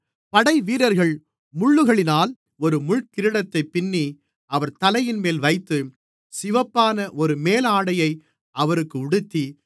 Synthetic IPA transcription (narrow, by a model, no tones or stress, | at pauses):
pɐɽɐɪʋiːɾɐɾɣɐɭ | mʊɭːɯɣɐɭɪnaːl | ɔɾɯmʊɭkɪɾɯɽɐt̪ːɐɪpːɪnːi | ɐʋɐɾt̪ɐlɐjɪnmeːlʋɐɪt̪ːɯ | sɪʋɐpːaːnɐʔɔɾɯmeːlaːɽɐjɐɪ | ɐʋɐɾɯkːɯʊɽɯt̪ːi